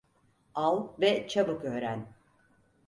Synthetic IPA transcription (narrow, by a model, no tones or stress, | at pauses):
alˠvɛt͡ʃʰabɯkøːɾæn